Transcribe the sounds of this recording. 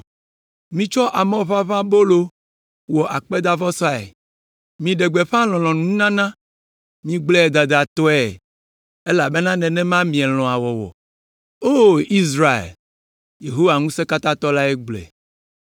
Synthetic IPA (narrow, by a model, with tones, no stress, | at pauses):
mĩ˨t͡ʃɔ˦ʔa˨mɛ̃˦˨va˦βã˦bo˦lo˦ | wɔ˨ʔa˨k͡pe˦d̪a˦vɔ˦sɔ˦a˨ɛ̰˨ | mĩ˨ɖe˨ɡ͡be˨ɸã˦lɔ̃˨lɔ̃˨nũ˦nã˦nã˦ | mĩ˨ɡ͡blɛ˦ɛ˨d̪a˨d̪a˨t̪ɔ˦ɛ˨ | e˦la˨be˦nã˦nɛ̃˨nɛ̃˦mã˦mĩ˨ɛ˨l̃ɔ̃˨a˨wɔ˨wɔ̰˨ | o˦i˦zɾa˦ḛ˨l | je˨ɦo˦wa˨ŋũ˦se˦ka˦t̪ã˦t̪ɔ˦la˦ɛ˦ɡ͡blɛ̰˨